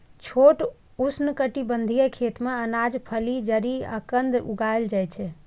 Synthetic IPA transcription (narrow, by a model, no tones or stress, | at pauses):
t͡ʃʰoʈ | usnəkəʈibənd̪ʱijəkʰet̪meənad͡ʒpʰəlid͡ʒəɾiə̰kənd̪ṵɡaeld͡ʒajt͡ʃʰɛ